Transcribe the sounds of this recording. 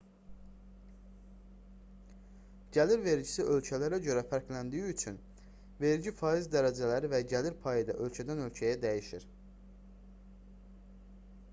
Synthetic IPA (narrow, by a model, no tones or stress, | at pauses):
ɟ̥æliɾve̞ɾɟisiʔø̞lcʰælæɾæɟø̞ɾæfæɾcʰlænd̪ijyyt͡ʃʰyn | ve̞ɾɟifɑːizd̪æɾæd͡ʒælæɾivæɟæliɾpʰɑjid̪ɑ̰ʔø̞lcʰæd̪ænø̞lcʰæjæd̪æjiʃiɾ̥